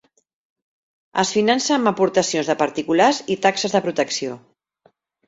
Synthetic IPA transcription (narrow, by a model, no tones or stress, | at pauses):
əsfinansəːmbəpuɾt̪əsionzðəpəɾt̪ikulazit̪aksəzðəpɾut̪əksio